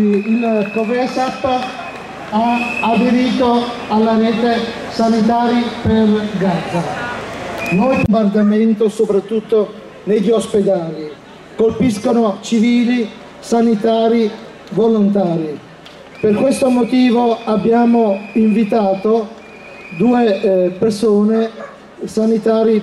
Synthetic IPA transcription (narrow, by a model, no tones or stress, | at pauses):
ilkovesapː | aad̪eɾiːt̪oalːaɾɛːt̪e | sanit̪aːɾiperɡad̪za | nɔjbombard̪ament̪osopɾat̪ːut̪ːo | neʎːiosped̪aːli | kolpiskonot͡ʃiviːli | sanit̪aːɾi | volont̪aːɾi | perkwest̪omot̪iːvoabːjaːmoiɱvit̪aːt̪o | d̪uːepersoːne | sanit̪aːɾi